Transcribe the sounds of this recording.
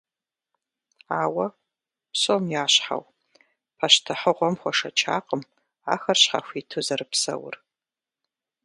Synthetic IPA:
aːwɐ | psomjaːɕħa̰w | pʰaʃtʰɨħəʁʷɔmχʷɔʂɐt͡ʃʰa̰ːqʼəm | a̰ːxɐrɕħa̰fʷiːtʰɨzɐrɨpsɐ̰wʊ̰r

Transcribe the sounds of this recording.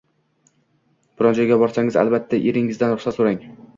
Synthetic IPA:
b̥ɪɾɒnd͡ʒɒjɡʲabɒɾsaŋɪza̰lˠbat̪ʰːaʔeɾɪŋɪzd̪anɾʊχsat̪soɾaŋ

